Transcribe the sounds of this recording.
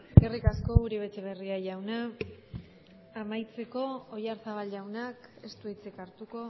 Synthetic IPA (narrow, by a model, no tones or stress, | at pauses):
erikasko̞ɣuɾiβet͡ʃeβ̞e̞riaʝawna | majt͡se̞ko̞ːjaɾsaβ̞alʝawnake̞st̪uit͡sekaɾt̪uko̞